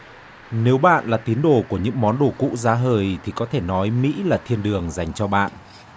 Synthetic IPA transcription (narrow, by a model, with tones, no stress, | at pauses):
ne˨˦wɓa̰ː˧˨nlaː˨˩t̪i˨˦ənɗo˧˩ku˧˩əɲɨ̰˧˥ŋmɔ˨˦nɗo˧˩kṵ˧˥zaː˨˦ɦəː˨˩jt̪ʰi˨˩kɔ˨˦t̪ʰe˧˩nɔ˨˦jmḭ˧˥laː˨˩t̪ʰi˧ənɗɨ˨˩əŋza˨˩jŋ̟t͡ɕɔ˧ɓa̰ː˧˨nʔ